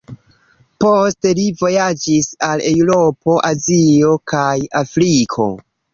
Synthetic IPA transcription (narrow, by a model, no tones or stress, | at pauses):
poste̞livo̞jad͡ʒisale̞wɾo̞pʰo̞ʔazio̞kʰajafɾikʰo̞̰